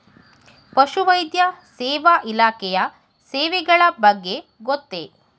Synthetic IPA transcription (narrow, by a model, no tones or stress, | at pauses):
pɐʃuʋɐjd̪jɐsɛːʋaʔilaːkɛjɐ | sɛːʋɛɡɐɭɐbɐɡːe̞ɡot̪ːḛ